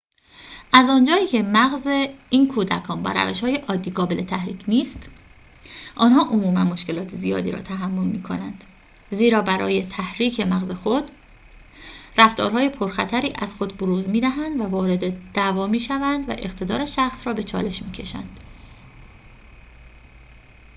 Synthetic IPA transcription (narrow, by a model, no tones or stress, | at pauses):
ʔæzɒːnd͡ʒɒːiːcʰe̞mæɣzeiːnkʰuːd̪ækʰɒːnbæ̰ːɾæ̰veʃhɒːjeʔɒːd̪ːiːɡɒːbelʔe̞t̪ʰæhɾiːcʰniːst̪ | ʔɒːnɦɒːʔomuːmænmo̞ʃce̞lɒːt̪ʰezijɒ̰ːd̪ḭːɾɒ̰ːt̪ʰæɦæmːo̞lmiːkʰo̞nænd̪̥ | ziːɾɒːbæɾɒ̰ːje̞t̪ʰæhɾiːcʰe̞mæɣze̞xod̪ | ræft̪ɒ̰ːɾɦɒːje̞pʰoɾxæt̪ʰæɾiːʔæz̥xo̞d̪boɾuːzmiːd̪æɦænd̪vævɒːɾe̞d̪ed̪̥ævɒːmiːʃævænd̪væ̰ʔe̞χt̪ʰe̞d̪ɒ̰ːɾeʃæxsrɒːbe̞t͡ʃʰɒ̰ːle̞ʃmiːcʰe̞ʃæ̰nd̪̥